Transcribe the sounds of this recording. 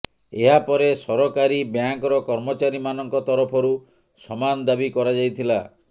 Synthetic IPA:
eɦapɔɾesɔɾɔkaɾibjaŋkɔɾɔkɔɾmɔt͡ʃaɾimanɔŋkɔt̪ɔɾɔpʰɔɾu | sɔmand̪abikɔɾad͡ʒajt̪ʰila

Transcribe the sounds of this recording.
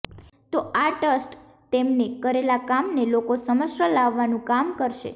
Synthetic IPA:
t̪oaʈəsʈ | t̪emnekəɾelakamnelokosəməʃəlaʋːanũkamkəɾʃḛ

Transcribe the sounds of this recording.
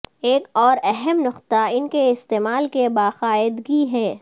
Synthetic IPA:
eːkɔːɾɛɦɛmnʊqt̪aɪnkeɪst̪eːmaːlkebaːxaːɪd̪ɡiɦɛː

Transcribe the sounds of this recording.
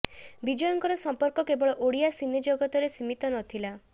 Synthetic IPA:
bid͡ʒɔjɔŋkɔɾɔsɔmpɔɾkɔkebɔɭɔʔoɽijasined͡ʒoɡɔt̪ɔɾesimit̪ɔnɔt̪ʰila

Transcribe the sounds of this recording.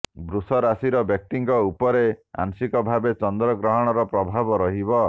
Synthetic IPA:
bɾusɔɾasiɾɔbjɔk̚ʈ̪iŋkɔupɔɾea̰nsikɔbʱabet͡ʃɔnd̪ɾɔɡɾɔɦɔɽ̃ɔɾɔpɾɔbʱabɔɾɔɦibɔ

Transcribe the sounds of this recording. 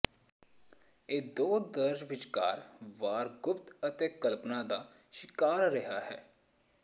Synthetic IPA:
eːd̪oːd̪əɾd͡ʒʋɪt͡ʃka̰ːɾʋaːɾɡʊpt̪ət̪eːkəlpnaːd̪aː | ʃɪkaːɾɾəɦaːɦɛ̰ː

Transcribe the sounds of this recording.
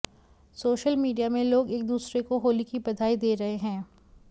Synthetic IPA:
soːʃəlmiːɖijamẽloːɡeːk̚d̪uːsɾekoɦoːlikibɐd̪ʱaːid̪eːɾɐɦeɦɛ̃ː

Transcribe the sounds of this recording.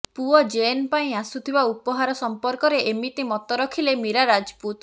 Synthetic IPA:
puɔd͡ʒenpaĩasut̪ʰibaupɔɦaɾɔsɔmpɔɾkɔɾeʔemit̪imɔt̪ɔɾɔkʰilemiɾaɾad͡ʒput̪

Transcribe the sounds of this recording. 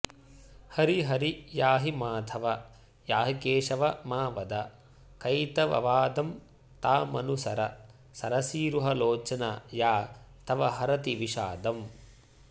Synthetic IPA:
hɐɾiɦɐɾijaːɦimaːd̪ʰʱɐʋɐ | jaːɦikeːʂɐʋɐmaːʋɐd̪ɐ | kɐjt̪ɐʋɐ̰ʋaːd̪ɐm | t̪aːmɐnusɐɾɐ | sɐɾɐsiːɾuɦɐloːt͡ʃɐnɐjaː | t̪ɐʋɐɦɐɾɐt̪iʋiʃa̰ːd̪ɐm

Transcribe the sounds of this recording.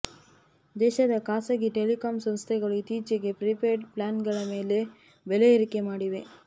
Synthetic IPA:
d̪eːʃɐðɐkaːsɐɣiʈelɪkaːmsɐmst̪ɐɪɣɐɭɯt̪iːt͡ʃɐɡepɾɪpeːʈpɭaːnɡɐɭɐmeːle | ʋɛlɐɪɾɯkːɐmaːɽɪʋeː

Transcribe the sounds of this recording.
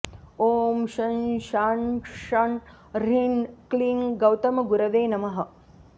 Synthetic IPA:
oːmʃɐnʃaːnʂɐn | ɾinkliːŋɡɐwt̪ɐmɐɡuɾɐʋeːnɐmɐɦɐ̆

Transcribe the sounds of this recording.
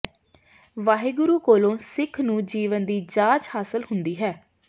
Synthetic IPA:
ʋaːɦeːɡʊɾuːkoːlõːsɪkʰnũːd͡ʒiːʋənd̪iːd͡ʒaːt͡ʃhaːsəlhʊnd̪iːɦɛː

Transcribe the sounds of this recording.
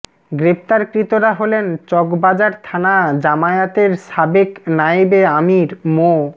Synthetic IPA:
ɡɾep̚t̪aɾkɾit̪oɾaɦolent͡ɕɔɡbad͡ʑaɾt̪ʰanad͡ʑamaeat̪eɾʃabeknajibeamiɾmo

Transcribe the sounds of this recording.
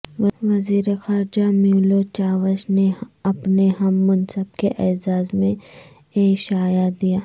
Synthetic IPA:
ʋɐziːɾexaːɾd͡ʒamjuːlot͡ʃaːʋəʃneɐpneɦɐmːɐnsəbkeʔɛːzaːzmẽ | eːʃaːjad̪ijaː

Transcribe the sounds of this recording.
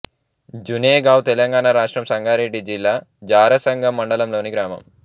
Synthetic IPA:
d͡ʒuneːɡaːwt̪ɛlɐŋɡaːnaːɾaːʂʈɾɐmsɐŋɡʱaːɾeɖːid͡ʒilːaːd͡ʒaːɾɐsɐŋɡɐmːɐɳɖɐlɐmloːniɡɾaːmɐ̰m

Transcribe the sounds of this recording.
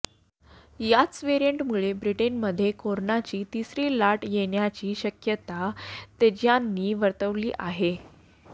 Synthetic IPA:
jat͡sʋeɾijəɳʈmuɭebɾiʈenməd̪ʱːjekoɾonat͡ɕiːt̪isɾiːlaʈjeɳjat͡ɕiːɕəkjət̪at̪ed͡ʑjanːiːʋəɾt̪əʋliːʔaɦe

